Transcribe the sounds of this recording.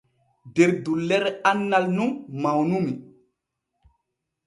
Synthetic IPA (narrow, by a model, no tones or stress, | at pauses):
deɾdulːeɾeanːalnummawnumi